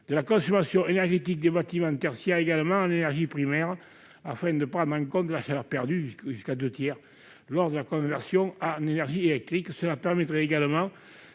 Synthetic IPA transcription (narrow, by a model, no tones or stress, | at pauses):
d̪̥əlakɔ̃sɔmasjɔ̃ŋenɛʁʒet̪ik̚d̪ebat̪imɑ̃t̪ɛʁsjɛeɡaləmɑ̃ŋynenɛʁʒipχimɛʁ | afɛ̃d̪əpχɑ̃d̪ʁɑ̃ŋkɔ̃nt̪əlaʃalœʁpɛʁd̪yʒyskad̪øt̪jɛʁ | lɔʁd̪əlakɔ̃vɛʁsjɔ̃aynenɛʁʒielɛk̚t̪ʁiksəlapɛʁmet̪ʁeeɡaləmɑ̃ŋ